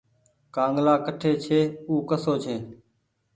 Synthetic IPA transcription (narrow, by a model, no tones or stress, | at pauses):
kãːŋɡlaːkəʈʰeːt͡ʃʰeːuːkəsoːt͡ʃʰeː